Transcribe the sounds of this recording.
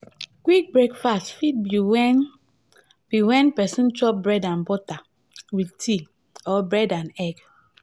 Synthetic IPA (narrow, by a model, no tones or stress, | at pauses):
ɡ̥wik̚bɹekfastfit̚bi | b̥iwɛ̃npɛsĩntɔp̚bɹɛdãnbɔta | witʰi | ɔbɹɛdãnɛɡ